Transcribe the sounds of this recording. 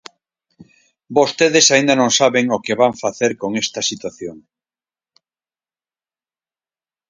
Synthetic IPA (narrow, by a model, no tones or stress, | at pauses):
bost̪eðesaĩnd̪anõŋsaβeŋokeβaɱfaθeɾkoŋest̪ɐsit̪waθjoŋ